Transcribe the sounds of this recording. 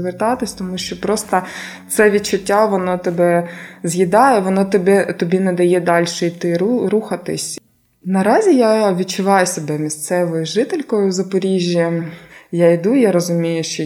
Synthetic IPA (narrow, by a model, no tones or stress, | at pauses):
ʋert̪ɑt̪ɪsʲt̪ɔmuʃt͡ʃɔpɾɔst̪ɐt̪sɛʋʲid̪̚t͡ʃʊtʲːaʋɔnɔt̪ebɛzʲjʲid̪ɑjɛʋɔnɔt̪ɪbɛt̪ɔbʲinɛd̪ɐjɛd̪ɑlʲʃɛit̪ɪɾuxɐt̪ɪ̰sʲ | nɐɾɑzʲijaʋʲid̚t͡ʃʊʋɑjʊsʲebɛmʲist̪sɛʋɔjʊʒɪt̪elʲkɔjʊzɐpɔɾʲiʒʲːijaid̪ujaɾɔzʊmʲijʊʃt͡ʃɔ